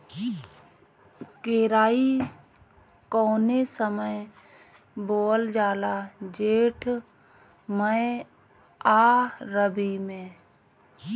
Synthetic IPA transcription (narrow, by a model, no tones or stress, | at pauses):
keːɾaːi | kɔːnesəməj | boːld͡ʒaːlad͡ʒeːʈʰ | məe | aːɾəbimẽː